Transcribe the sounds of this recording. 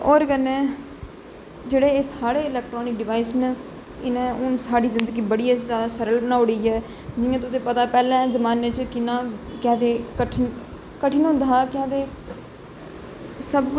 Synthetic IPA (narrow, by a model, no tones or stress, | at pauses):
ɔːɾkənɛ̃ː | d͡ʒeːɽeːsaːɽeːɪlɛːk̚ʈɾoːnɪk̚ɖɪʋaːisnə | ɪnẽːʊnsaːɖiːzɪ̃nd̪əɡiːbəɽiːaːzaːd̪aːsəɾəlbənaːʊɽiːɛː | d͡ʒɪjãːt̪ʊsẽːpət̪aːpɛːlɛ̃ːzəmaːneːt͡ʃkɪnãːkɛ̃ːd̪eːkəʈʰ | kəʈʰiːnõːd̪aːkɛ̃ːd̪eː | səbk